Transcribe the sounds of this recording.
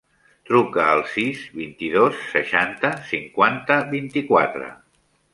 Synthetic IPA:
t̪ɾukəːlˠsizβint̪iðosːəʃant̪əsiŋkwant̪əβint̪ikwa̰t̪ɾə̰

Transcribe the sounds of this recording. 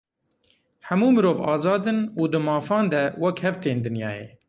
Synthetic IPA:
ħɛmuːmɨɾoːvɑːzɑːd̪ɨnuːd̪ɨmɑːfɑːnd̪ɛwɐkhɛvt̪eːnd̪ɨnjɑ̰ːjḛː

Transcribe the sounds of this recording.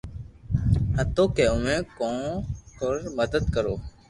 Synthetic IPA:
hət̪oːkeːʊmẽːkõːɔːɾməd̪əd̪kəɾoː

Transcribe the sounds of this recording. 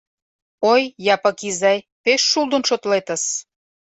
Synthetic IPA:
ojːɑpəkizɑj | peʃːulˠd̪ə̆nʃot̪let̪ə̆s

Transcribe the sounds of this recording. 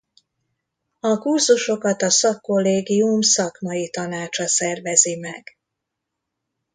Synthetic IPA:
ɒkurzuʃo̞kɒt̪ɒsɒkːo̞lːeːɡiumsɒkmɒjit̪ɒnaːt͡ʃɒsɛrvɛzimɛɡ̥

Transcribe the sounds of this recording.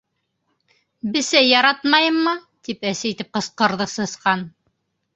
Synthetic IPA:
bɘ̆sæjɑɾɑt̪mɑjɤmːɤt̪ipæsæit̪ɘp̚qɤ̆sqɤ̆ɾðɤsɤ̆sqɑn

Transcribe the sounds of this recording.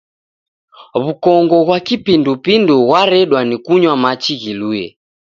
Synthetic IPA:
βukɔŋɡɔɣwakipindupinduɣwaɾɛɗwanikuɲwamat͡ʃiɣilujɛ̰

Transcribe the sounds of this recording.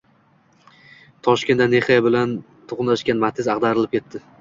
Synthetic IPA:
t̪ʰɒʃkʲe̞nd̪ane̞χejabɪlan | t̪ʰoʁnlaʃkʲanmat̪ʰɪzɑqd̪aɾɪlɪp̚kʰʲe̞t̪ʰːɪ

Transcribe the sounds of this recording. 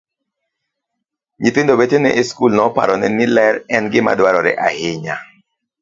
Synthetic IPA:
ɲitɪndobetenɛʔeskulnɔpa̰ɾɔnɛnɪlɛɾɛnɡɪma̰dwaɾɔɾɛ̰ʔahɪɲa̰

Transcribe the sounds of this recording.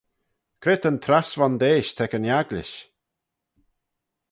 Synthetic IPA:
kʰɾɪt̪ənt̪ʰɾasvɔnd̪eːʃt̪ʰɛkənjaɡlɪ̰ʃ

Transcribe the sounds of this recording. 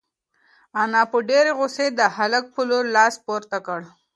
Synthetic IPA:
anɑpəɖeɾeɣʊsed̪əhalək̚pəloɾlɑspoɾt̪akəɽ

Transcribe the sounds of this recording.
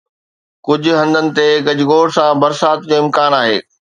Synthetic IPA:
kʊd͡ʑʱʊ̆ɦɐ̃nd̪ənɪ̆t̪eɡɐd͡ʑʱʊɡoːɽsãbɐɾsaːt̪d͡ʑoːɪ̃mkaːnaːɦḛː

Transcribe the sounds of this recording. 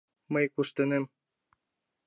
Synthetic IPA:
məjkuʃt̪ɤ̆nem

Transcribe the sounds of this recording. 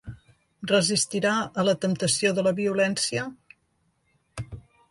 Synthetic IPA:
rəzist̪iɾaələt̪əmt̪əsioðələβiulɛnsiə

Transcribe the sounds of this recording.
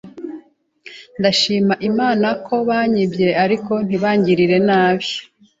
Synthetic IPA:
ndaʃiːmaʔimaːnakʰo̞βaːɲibje̞ʔaɾiko̞n̥iβaːɲɟiɾiɾe̞naːβjo

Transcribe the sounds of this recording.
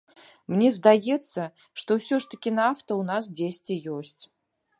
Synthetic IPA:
mnʲɛzd̪ajɛt̪sːɐ | ʂt̪ɔwsʲɔʂt̪ɐkʲinɐaft̪ɐwnasd͡zʲesʲtʲijɔsʲt͡sʲ

